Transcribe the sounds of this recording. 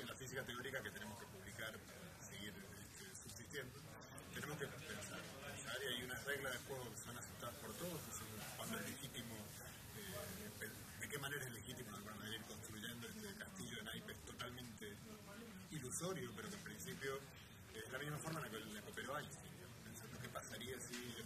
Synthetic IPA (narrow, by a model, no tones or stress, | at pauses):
enlafisikat̪eo̞ɾikaket̪enemoskepuβlikaɾpaɾa | seɣiɾ | eht̪ʰesuβsist̪je̞nd̪o | t̪ene̞moskepe̞nsaɾ | eesaɾiajunare̞ɣlazðexweɣokesonasep̚t̪aðaspo̞ɾt̪o̞ðososokwand̪oeɦle̞xit̪imo | epe | d̪ekemaneɾaesle̞xit̪imoɾnoðeɾiɾkõ̞nst̪ɾuʒe̞nd̪oest̪ekast̪iʒo̞enajpeest̪o̞t̪almẽnt̪e | iluso̞ɾjope̞ɾokempɾinsipjo̞ | ezlamizmafo̞ɾmaenlakelnekopeɾoajsiaopensand̪okepasaɾiasi